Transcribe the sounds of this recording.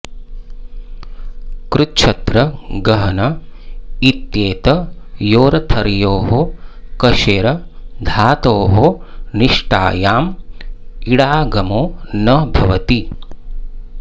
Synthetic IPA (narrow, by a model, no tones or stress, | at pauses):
kɾutt͡ʃʰɐt̪ɾɐɡɐɦɐnɐ | it̪jeːt̪ɐjoːɾɐt̪ʰɐɾjoːɦokɐʃeːɾɐd̪ʱaːt̪oːɦoniʂʈa̰ːjaːm | iɽaːɡɐmoːnɐbʱɐʋɐt̪i